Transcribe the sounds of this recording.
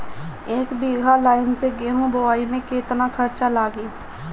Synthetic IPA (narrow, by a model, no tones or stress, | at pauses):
eːkbiːɡʱalaːɪnseɡeːɦũbəʋaːimẽkeːt̪nakʰɐɾt͡ʃalaːɡiː